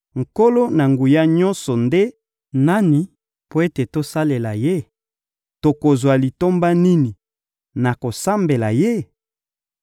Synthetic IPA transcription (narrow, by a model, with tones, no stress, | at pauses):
ŋ̩˨ko˦lo˦na˨ŋɡu˨ja˦ɲɔ˦nsɔ˨nde˦ | na˦ni˨ | po˦e˦te˨to˦sa˦le˨la˨je˦ | to˨ko˨zwa˨li˨to˦mba˦ni˦ni˨ | na˨ko˨sa˦mbe˨la˨je˦